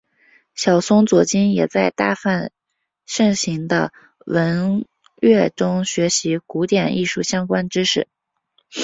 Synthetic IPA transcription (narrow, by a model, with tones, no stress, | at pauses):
ɕjɑ˨˩ʊsʊ˥ŋt͡swɔ˧˥t͡ɕi˥njɛ˨˩t͡sa˥˧ɪt̪a˥˧fa˥˧n | ʂɤ˥˩ŋɕi˧˥ŋd̪ə˧ | wə˧˥n | ɥɛ˥˩ʈ͡ʂʊ˥ŋɕɥɛ˧˥ɕi˧˥ku˧˥t̪jɛ˨˩nḭ˥˧ʂu˥˩ɕjɑ˥ŋkwa˥nʈ͡ʂɻ̩˥ʂɻ̩˥˩